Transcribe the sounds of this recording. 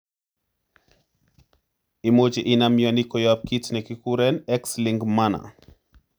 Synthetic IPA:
imod͡ʒeʔɪnamjɔnikɔjap̚kitnɛkikuɾɛnɛksliŋɡmana̰

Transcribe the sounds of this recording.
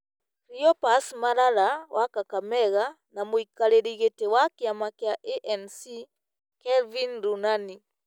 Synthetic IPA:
kɾiɔpasmaɾaɾawakakamɛɣa | namwikaleɾiɣetewakiamakjaʔeʔɛnsi | kɛlvinɾunani

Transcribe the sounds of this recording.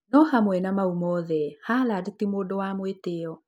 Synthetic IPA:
nɔhamwɛnamaumɔðɛhaːladetimoːdowamweteɔ

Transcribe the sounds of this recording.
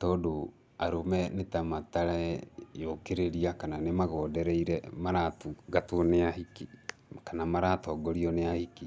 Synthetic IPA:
tɔdo | aɾomɛnetamataɾaɛjokeɾeɾiakananemaɣɔːdɛɾɛiɾɛmaɾatuɡatoneahiki | kanamaɾatɔɡɔɾiɔneahiki

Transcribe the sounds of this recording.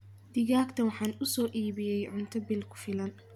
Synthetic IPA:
d̪̥ɪɣaːɡt̪ʰɐwɑħɑːnʊsɔːʔiːβɪjɛjʕʊnt̪ʰɐbilkʰʊ̥fɪlɐn

